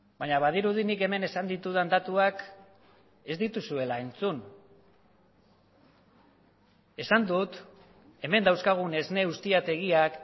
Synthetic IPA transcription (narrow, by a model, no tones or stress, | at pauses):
baɲaβað̞iɾuð̞inike̞me̞ne̞sand̪it̪uð̞and̪at̪uak | e̞zd̪it̪usue̞lae̞nt͡sun | e̞sand̪ut̪ | e̞me̞nd̪awskaɣ̞une̞zne̞ust̪iat̪e̞ɣiak